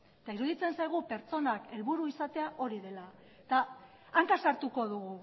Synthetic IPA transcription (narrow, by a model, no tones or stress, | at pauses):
t̪aiɾuðit͡se̞nsajɣ̞upe̞ɾt͡so̞nake̞lβuɾuisat̪e̞aʔo̞ɾiðe̞la | t̪aː | ŋkasaɾt̪uko̞ðuɣu